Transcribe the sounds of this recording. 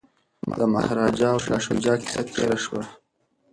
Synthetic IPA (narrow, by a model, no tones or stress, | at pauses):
d̪əma̰hɾɑd͡ʒɑwʃɑːʃud͡ʒɑkɪ̥sat̪ʰḛɾaʃwa